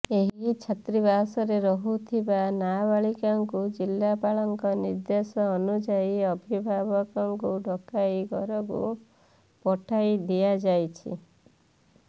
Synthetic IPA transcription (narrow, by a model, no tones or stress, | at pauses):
eɦit͡ʃʰat̪ɾibasɔɾeɾɔɦut̪ʰibanabaɭikaŋkud͡ʒilːapaɭɔŋkɔniɾd̪esɔːnud͡ʒaiɔbʱibʱabɔkɔŋkuɖʱɔkajɡɔɾɔɡṵ | pɔʈʰajd̪iad͡ʒajt͡ʃʰḭ